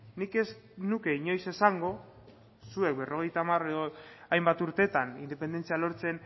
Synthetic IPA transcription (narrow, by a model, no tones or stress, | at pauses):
nike̞snuke̞iɲo̞jse̞saŋɡo̞ | sue̞k̚be̞ro̞ɣ̞e̞jt̪amare̞ðoajmbat̪uɾt̪e̞t̪anind̪epe̞nd̪e̞nt͡sialo̞ɾt͡se̞n